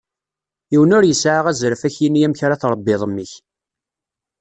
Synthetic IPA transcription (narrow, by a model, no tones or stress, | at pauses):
iwənʊɾjəsʕaʁæzɾəfæçjinjæmçɾaθɾˤəbːɪðˤəmːiç